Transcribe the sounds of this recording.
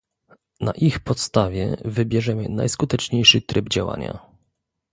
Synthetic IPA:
naʔixpɔt̪st̪avʲjɛ̰vɘbʲjɛʐɛmɘ̰na̰jskut̪ɛt͡ʂɲejʂɘt̪ɾɘbd͡ʑawa̰ɲa̰

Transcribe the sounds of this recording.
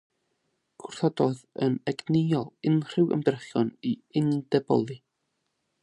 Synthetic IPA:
kʰʊrθɔdɔðənɛɡnejɔlˠɪnr̥ɪwə̰mdrɛχjɔniɪndɛbɔ̰lˠi

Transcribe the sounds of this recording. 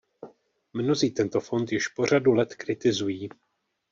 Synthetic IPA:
mno̞ziːt̪ɛnt̪o̞fo̞nt̪jɪʃpo̞r̝adulɛt̪kɾɪt̪ɪzujiː

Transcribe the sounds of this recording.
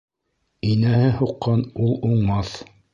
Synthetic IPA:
inæhɘhuqːɑnulˠuɴmɑθ

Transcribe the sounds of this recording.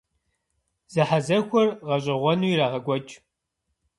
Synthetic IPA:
z̥ɨħazɐxʷɔrʁɐɕʼɪʁʷɔnuiɾaːʁɐɡʷɔt͡ʃʼ

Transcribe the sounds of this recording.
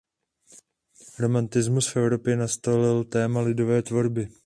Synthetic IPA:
ɾo̞mant̪ɪzmusfʔɛvɾo̞pjɛnast̪olɪlt̪ɛːmalɪdo̞vɛːt̪vo̞ɾbɪ

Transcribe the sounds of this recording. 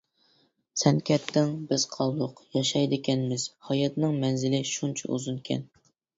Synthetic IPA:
sɛnkʲʰɛt̪ʰːɪŋbɪz̥qʰɑlˠlˠʊqjɑʃɑjd̪ɪkʲʰɛnmɪz̥hɑjɑt̪nɨŋmɛnzɪlɪʃunt͡ʃʰɑ̰ṵzunkʲʰɛ̰n

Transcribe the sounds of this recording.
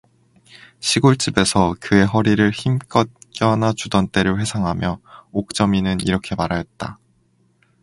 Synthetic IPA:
ɕʰiɡoɭt͡ɕ͈ibe̞sʰʌkɯe̞ɦʌɾiɾɯɭçimk͈ʌt̚k͈jʌnat͡ɕudʌnt͈e̞ɾɯɭɸwe̞sʰaŋɦamjʌok̚t͡ɕ͈ʌminɯnḭɾʌkʰe̞maɾajʌt̚t͈a

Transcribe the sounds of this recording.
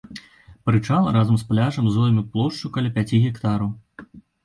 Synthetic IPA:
pɾɨt͡ʂalˠɐɾazɐmsplʲaʐɐmzɔjʲmʲiplˠɔʂt͡ʂukɐlʲapʲat͡sʲiɣʲɛkt̪aɾɐw

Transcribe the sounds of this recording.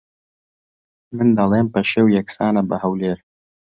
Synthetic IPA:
mɨnd̪ɐlˠeːmpɐʃeːwjɛksaːnɐbɐhɐwleːɾ

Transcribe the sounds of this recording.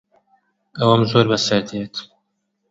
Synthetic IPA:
ɐwɐmzoːɾbɐsɐɾd̪et̪

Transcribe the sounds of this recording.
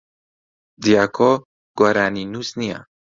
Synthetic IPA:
d̪ijakʰɔ | ɡ̥waɾaninuznija̰

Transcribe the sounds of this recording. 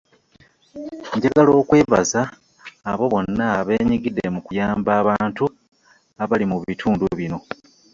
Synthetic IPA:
ɲɟaɡalo̞ːkwe̞ːβazaː | βo̞βo̞nːaβe̞ːɲiɡide̞mukujaːmbaːβaːntu | aβalimuβitʰuːnduβino̞

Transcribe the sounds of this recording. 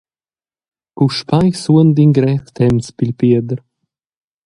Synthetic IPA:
kuʃpajsuənd̪iŋɡɾɛft̪ʰɛmspilʲpiəd̪əɾ

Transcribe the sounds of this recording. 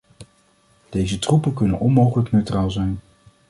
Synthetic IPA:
d̥ejzətrupənkɵnə̰nɔnmowχələknøɥtraːlˠzɛjn

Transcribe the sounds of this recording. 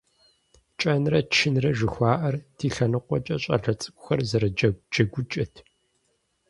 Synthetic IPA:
t͡ʃʼɐnrɐt͡ʃʰɪnrɐʒɨxʷaːʔɐrtʰiːɬɐnɨqʷɔt͡ʃʼɐɕʼɐ̰ɮɐt͡sʼɨkʷʼʊxɐrzɐɾɐd͡ʒɐɡʷʊt͡ʃʼɐtʰ

